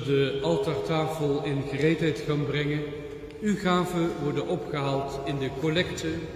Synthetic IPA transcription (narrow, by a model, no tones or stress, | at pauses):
dəʔɑlˠtaɹtaːfəlˠɪnχərejtɦɛjtxaːnbrɛŋə | yχaːvəʋɔɹdənɔpχəɦaːlˠtɪndəkolɛktə